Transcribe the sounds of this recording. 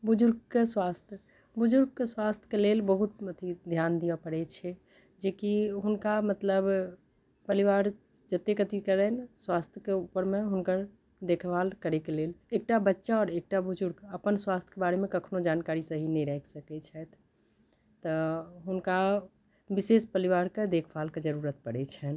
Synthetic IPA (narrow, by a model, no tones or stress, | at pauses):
bʊd͡ʒʊɾɡ̚keswaːst̪ʰjə | bʊd͡ʒʊɾɡ̚keswaːst̪ʰjə̥keleːlbəɦut̪̚mət̪ʰid̪ʱjaːnd̪ijapəɾet͡ʃʰɛ | d͡ʒeːkiɦʊnkamət̪ləb | pəɾiʋaːɾ | d͡ʒət̪ekət̪ikəɾɛnswaːst̪ʰjəkeupəɾmẽɦʊnkəɾ | d̪ekʰʋaːlkəɾekeleːleːk̚ʈabətːʃaɔːɾeːk̚ʈabʊd͡ʒʊɾɡəpənswast̪ʰə̥kebaɾemẽkəkʰnod͡ʒaːnkaːɾisəɦinɦĩɾɛksəkɛt͡ʃʰɛt̪ʰ | t̪ɔɦʊnka | bisespəɾiʋaːɾked̪ekʰbalked͡ʒəɾuɾət̪̚pəɽɛt͡ʃʰɛn